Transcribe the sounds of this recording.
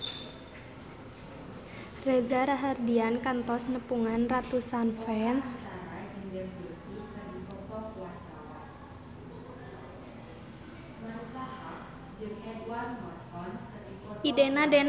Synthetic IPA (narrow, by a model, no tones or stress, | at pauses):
rezaɾaɦardiankant̪ɔsnəpuŋanrat̪usanfɛnsanad͡ʒəŋdɛnbursik̪anit̪ɔkɔkwart̪awa̰n | nasaha | d͡ʒɨŋhɛdwarmɔrhɔnkət̪iɔidenaden